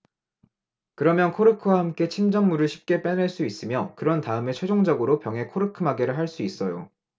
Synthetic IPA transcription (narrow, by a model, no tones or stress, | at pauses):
kɯɾʌmjʌnkʰoɾɯkʰɯwahamk͈e̞t͡ɕʰind͡ʑʌŋmuɾɯɭɕʰi̥p̚k͈e̞p͈eneɭs͈uis͈ɯmjʌkɯɾʌntaɯme̞t͡ɕʰwed͡ʑoŋd͡ʑʌɡɯɾopjʌŋɦe̞kʰoɾɯkʰɯmaɡe̞ɾɯɭɦaɭs͈uis͈ʌjo